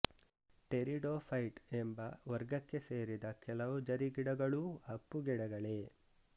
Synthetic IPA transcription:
ʈeɾiɖoːpʰɐjʈembɐʋɐɾɡɐkːe̞seːɾid̪ɐkɛlɐʋud͡ʒɐɾiɡiɽɐɡɐɭuɐpːuɡɛɽɐɡɐɭe

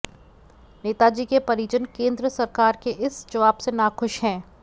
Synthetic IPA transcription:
neːt̪ad͡ʒiːkepɐɾiːt͡ʃənkẽːnd̪ɾəsɐɾkaːɾkeʔɪsd͡ʒɐʋaːbsenaxʊʃɦɛ̃ː

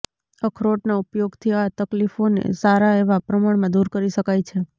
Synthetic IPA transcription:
əkʰɾoʈnaupjoɡt̪ʰiat̪əklifonḛsaɾaeʋapɾəmaɳmãd̪uɾkəɾiʃəkajt͡ʃʰe

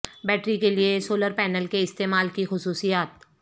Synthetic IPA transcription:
bɛːʈɾikeliesoːləɾpɛːnəlkeɪst̪eːmaːlkixʊsuːsijaːt̪̚

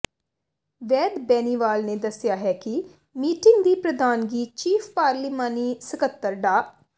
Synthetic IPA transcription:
ʋɛːd̪bɛːniːʋaːlneːd̪əsɪjaːɦɛːkɪ | miːʈɪŋɡd̪iːpɾəd̪aːnɡiːt͡ʃiːfʰpaːɾliːmaːniːsəkət̪ːəɾɖaː

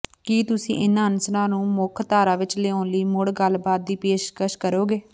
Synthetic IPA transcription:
kiːt̪ʊsḭ̃ːʔɪnãːənsənãːnũːmʊkʰt̪aːɾãːʋɪt͡ʃleːõːnliːmʊɽɡəlbaːt̪̚d̪iːpeːʃkəʃkəɾoːɡeː

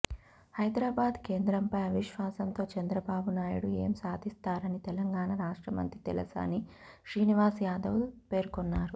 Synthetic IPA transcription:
hɐjd̪ɾaːbaːd̪ke̞ːnd̪ɾɐmpɐjɐʋiʃʋaːsɐnt̪o̞ːt͡ʃɐnd̪ɾɐbaːbunaːjuɽue̞̰ːmsaːd̪ʱist̪aːɾɐnit̪ɛlɐŋɡaːɳɐɾaːʂʈɾɐmɐ̰nt̪ɾit̪ɛ̰lɐ̰sa̰ːni | ʃɾiːniʋaːsjaːd̪ɐʋulpe̞ːɾkonːaːɾu

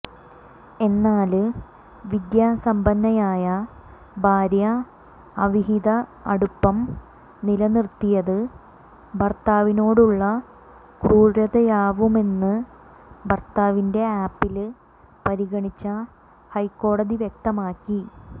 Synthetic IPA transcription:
e̞nːaːl | ʋid̪jaːsɐmbɐnːɐjaːjɐ | bʱaːɾjɐ | ɐʋiɦiðɐɐɽupːɐm | nilɐnirt̪ːijɐðɨ | bɐrt̪aːʋino̞ːɽuɭːɐ | kruːɾɐðɐjaːʋume̞nːɨ | bʱɐrt̪aːʋinde̞aːpːil | pɐɾiɣɐɳit͡ɕːɐ | hɐjkːo̞ːɽɐðiʋjek̚t̪ɐmaːkːi

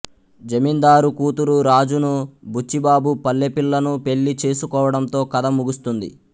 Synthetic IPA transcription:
d͡ʒɐmind̪aːɾukuːt̪uɾuɾaːd͡ʒunubʱut͡ʃːibaːbupɐlːepilːɐnupe̞ɭːit͡ʃe̞ːsukɔːʋɐɽɐmt̪o̞ːkɐd̪ɐmuɡust̪und̪ḭ

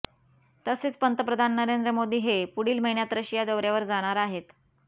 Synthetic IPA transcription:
t̪əset͡spənt̪əpɾəd̪ʱanːəɾend̪ɾəmod̪ʱiːɦepuɽiːlməɦinjat̪ɾəɕijad̪əʋɾjaʋəɾd͡zaɽ̃aɾaɦet̪

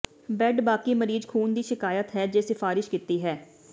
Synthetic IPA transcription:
bɛɖbaːkiːməɾiːzkʰuːnd̪iːʃɪkaːjət̪ɦɛːd͡ʒeːsɪfaːɾɪʃkiːt̪iːɦɛː

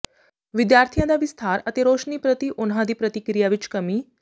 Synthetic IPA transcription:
ʋid̪jaɾt̪ʰijãd̪aʋist̪ʰaɾət̪eɾoʂniːpɾət̪iːʔonɦad̪iːpɾət̪ikɾijaʋiːt͡ʃkəmiː

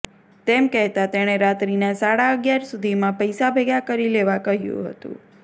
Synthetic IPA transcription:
t̪emkɛɦt̪at̪eɽ̃eɾat̪ɾinasaɽaəɡjaɾsud̪ʱimãpəjsabʱeɡakəɾileʋakəɦjṵ̃ɦə̰t̪ṵ̃

